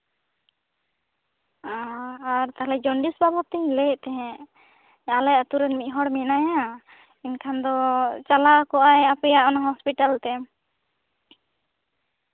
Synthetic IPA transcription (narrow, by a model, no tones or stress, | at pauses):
aaɾt̪aɦalɛd͡ʒɔɳɖisbabɔt̪ilɛʔt̪ɛɦɛ̃ | alɛjʔat̪uɾɛnmic̪̚ˀɦɔɽmɛnaja | inkʰand̪ɔt͡ʃalakɔʔajapɛjaʔɔnaɦɔspiʈalt̪ɛ